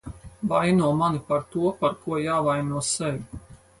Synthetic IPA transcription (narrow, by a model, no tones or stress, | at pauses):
vajnuɔmanipaɾt̪uɔpaɾkuɔjaːvajnuɔsɛvʲi